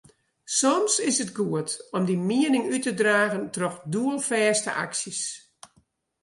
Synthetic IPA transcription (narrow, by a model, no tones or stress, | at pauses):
sɔmsɪsətɡuətɔmdimiənɪŋytədraːɣəntrɔxduəlˠfɛːstə̰ʔa̰ksis